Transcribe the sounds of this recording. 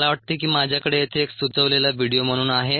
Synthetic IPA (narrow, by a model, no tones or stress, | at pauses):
laʋəʈ̚t̪iːkiːmad͡ʑʱjakəɽejet̪ʰeːksut͡səʋlelaʋiɽijom̤əɽ̃uːnaɦe